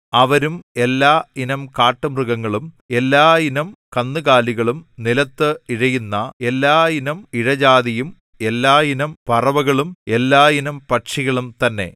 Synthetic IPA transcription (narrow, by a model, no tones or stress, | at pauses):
ɐʋɐɾume̞lːaːinɐmkaːʈːɐmrɨɣɐŋːɐɭum | e̞lːaːinɐmkɐnːɨɣaːliɣɐɭumnilɐt̪ːɨiɻɐjunːɐe̞lːaːinɐmiɻɐd͡ʑaːðijum | e̞lːaːinɐmpɐrɐʋɐɣɐɭume̞lːaːinɐmpɐʈʂiɣɐɭumt̪ɐnːe̞̰